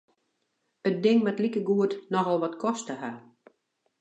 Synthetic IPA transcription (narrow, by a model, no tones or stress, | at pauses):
ət̚dɪŋmɛtlikəɡuətnɔxɔlˠʋɔtkʰɔstəha